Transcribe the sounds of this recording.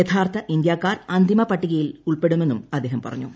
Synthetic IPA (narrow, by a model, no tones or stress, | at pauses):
jet̪ʰaːrt̪ʰɐʔind̪jaːkːaːrɐnd̪ʱimɐpɐʈːiɣɐjiluɭpe̞ɽumenːumɐd̪ːeːɦɐmpɐ̰rɐɲːu